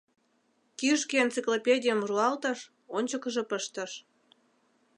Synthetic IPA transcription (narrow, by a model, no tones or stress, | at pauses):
kiʃkeent͡siklopʲedʲijəmruɑlt̪əʃ | onʲt͡ɕəkəʒĕpəʃt̪ə̆ʃ